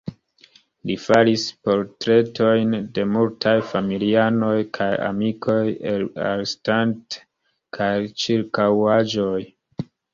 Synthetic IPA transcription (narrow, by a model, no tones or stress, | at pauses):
lifaɾispo̞ɾtɾe̞tʰo̞jnde̞multʰajfamiliano̞jkʰaja̰mikʰo̞jela̰ɾestant | kʰajt͡ʃiɾkawad͡ʒo̞j